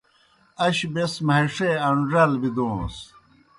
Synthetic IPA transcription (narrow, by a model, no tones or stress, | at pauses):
ɐɕbesmɐɦiʂeɐɳɖɾɐlbid̪õːs